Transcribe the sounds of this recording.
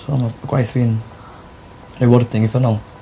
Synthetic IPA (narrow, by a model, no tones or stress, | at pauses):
ɔmaaɡ̥wa̰jθriːn | nejwɔrdɪŋivənɔlˠ